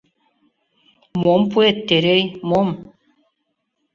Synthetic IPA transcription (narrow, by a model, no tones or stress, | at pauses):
mompuet̪ːeɾejmom